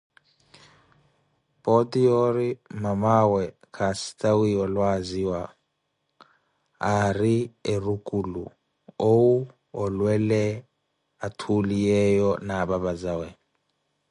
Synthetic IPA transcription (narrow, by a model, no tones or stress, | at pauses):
pʼɔtʼijɔɾimamawɛ | kʰasi̥tʼawiɔlwaziwa | rierukʼulṵ | owu | ɔlwɛlɛ | atʰulijɛjɔnaβaβazawɛ